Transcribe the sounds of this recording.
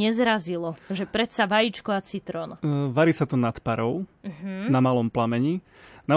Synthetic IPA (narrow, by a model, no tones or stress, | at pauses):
ɛzɾazilɔʒɛpɾɛt̪saʋajit͡ʃkɔat͡sit̪ɾɔnʋaɾiːsat̪ɔnat̪paɾɔʊm̩ɦ̩namalɔmplamɛɲi | na